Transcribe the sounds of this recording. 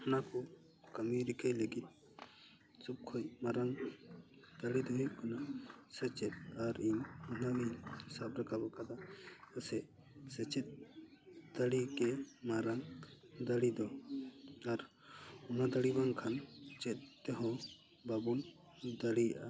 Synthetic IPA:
ɔnaku | kəmiɾikəjləɡit̪̚ | sup̚kʰɔjmaɾaŋ | d̪̥əɽid̪ɔɦiʔ̚kanasɛt͡ʃɛt̪̚aɾiɲɔnaʔiɲsab̚ɾakabɔkad̪aəsɛʔ̚ | sɛt͡ʃɛt̪̚ | d̪̥əɽikɛmaɾaŋ | d̪əɽid̪ɔ | aɾ | ɔmad̪əɽibaŋkʰant͡ʃɛt̪̚ːt̪ɛɦɔ̃ | babun | d̪əɽijaʔa

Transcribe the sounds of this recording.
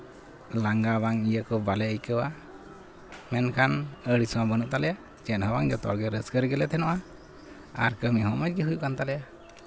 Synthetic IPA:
laŋɡabaŋijəkɔbalɛəjkəwa | mɛnkʰanəɽisɔwabənuʔt̪alɛja | t͡ʃɛt̚hɔbaŋd͡ʒɔt̪ɔ̰ɾɡɛɾəskəɾiɡɛlɛt̪ʰɛnɔʔa | a̰ɾkəmiɦɔmɔd͡ʒɡɛɦujuʔkant̪alɛja

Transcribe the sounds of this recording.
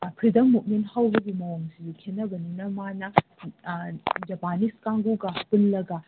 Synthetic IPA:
pʰɾidɐŋmut̚menhawbɐɡimɐwoŋsidikʰenɐbɐninɐmanɐ | d͡ʒɐpaniskaŋɡuɡapunlɐɡɐ

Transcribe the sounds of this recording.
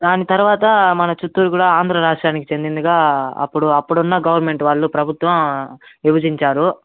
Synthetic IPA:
d̪aːnit̪ɐɾuʋaːt̪ɐmɐnɐt͡ʃut̪ːuːɾukuːɽaaːnd̪ɾɐɾaːʂʈɾaːnikit͡ʃe̞nd̪ind̪uɡaːɐ̰pːuɽuɐpːuɽunːɐɡɐʋɐɾme̞ɳʈʋaːɭːupɾɐbʱut̪ʋɐmiʋɐd͡ʒiɲt͡ʃaːɾu

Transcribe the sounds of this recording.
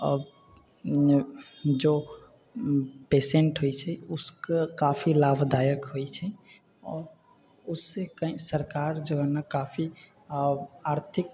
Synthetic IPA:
ə̰b | d͡ʒo | peseɳʈɦojt͡ʃʰɛʊskekapʰilabʱd̪ajəkɦojt͡ʃʰɛ | ɔːɾ | ʊsːekəĩsəɾkaɾd͡ʒəɡənakapʰi | aɾt̪ʰik̚

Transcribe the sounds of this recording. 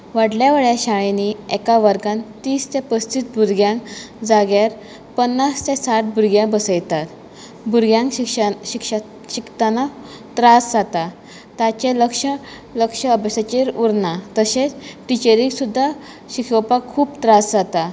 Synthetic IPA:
ʋaɽljaʋəɭjaɕaɭeniɛkaʋəɾɡãnt̪iːst̪epəst̪it̪̚bʱuɾɡjãŋkd͡zaɡjaɾ | pənːast̪esaʈ̚bʱuɾɡjãbəsəjt̪at̪ | bʱuɾɡjãŋkkɕikʂ | ɕikt̪ana | t̪ɾasd͡zat̪a | t̪at͡ɕeləkʂə | ləkʂəəbəsat͡ɕeɾuɾnat̪əset͡sʈit͡ɕeɾiksud̪ʱːa | ɕikəpakʰːuːpt̪ɾasd͡zat̪a

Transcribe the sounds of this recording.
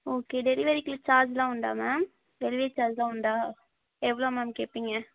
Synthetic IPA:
oːkeːɖ̪ɛɾɪʋɐɾɪkːɪlɯt͡ʃaːɾd͡ʒlãːʊɳɖa̰ːmam | ʋɛlɪʋeːt͡ʃaːɾd͡ʒlãːʊɳɖaː | ɛʋːɐɭoːmaːmkeːpːiŋɡɐ

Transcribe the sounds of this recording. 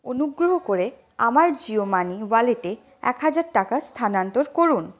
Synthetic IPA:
onuɡɾoɦokoɾe | a̰maɾd͡ʑiomaniwaleʈe | ɛ̰kɦad͡ʑaɾʈakast̪ʰanant̪oɾkoɾun

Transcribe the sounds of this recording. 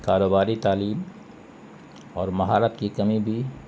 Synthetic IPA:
kaːɾoːbaːɾit̪aːliːm | ɔːɾmɐɦaːɾəp̪kikɐmibʱi

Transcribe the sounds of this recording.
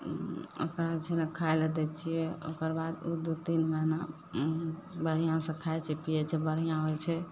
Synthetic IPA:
o̰kɾat͡ʃʰɛnɛkʰaeləd̪ɛt͡ʃʰijɛo̰kəɾbad̪ud̪ut̪inməɦna | bəɾ̤ijãsə̃kʰaet͡ʃʰɛpijɛt͡ʃʰɛbəɽ̤ijãɦojt͡ʃʰɛ

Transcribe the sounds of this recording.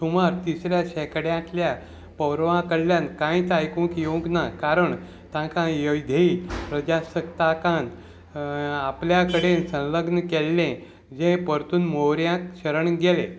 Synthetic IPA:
sumaɾt̪isɾjaɕɛkəɽjãt̪lja | pəwɾʋãkəɽljãnkãĩt͡s̪ajkũkjoɡnakaɾəɳ | t̪ãkãjəjd̪ʱeipɾəd͡ʑasək̚t̪akãn | apljakəɽensə̃ləɡnəkɛlːẽ | d͡zẽpəɾt̪uːnmowɾjãt̪ɕəɾəɳɡelẽ

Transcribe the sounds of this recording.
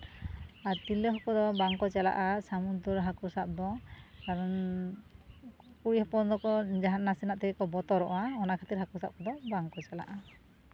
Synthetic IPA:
at̪ilɔɦɔkɔd̪ɔbaŋkɔt͡ʃɛla̰ʔasamud̪ɔɾɦakusap̚d̪ɔkaɾɔn | kuɾihɔpɔnd̪ɔkɔd͡ʒaɦannːasinaʔt̪ɛɡɛkɔbɔt̪ɔɾɔʔwaɔnakʰat̪iɾɦakusa̰p̚kɔd̪ɔbaŋkɔt͡ʃɛla̰ʔa

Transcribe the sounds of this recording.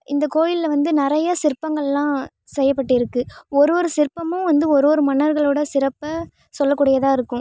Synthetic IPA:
ɪnd̪ɐkoːjɪlɐʋɐnd̪ɯnɪɾɐjɐsɪɾpːɐŋɡɐɭlãː | sɛjːɐpːɐʈːɪɪɾɯkːɯɔɾɯɔɾɯsɪɾpːɐmʊ̃ʋɐnd̪ɯɔɾɔːɾɯmɐnɐɾɣɐɭoːɽɐsɪɾɐpːɐ | sɔlːɐkːuːɽɐjɐðaːɪɾɯkːʊ̃

